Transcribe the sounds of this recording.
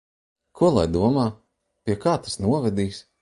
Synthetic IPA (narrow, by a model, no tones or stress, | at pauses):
kʰuɔlˠa̰jd̪uɔmaː | piɛkaːt̪ḁsnuɔvɛd̪iːs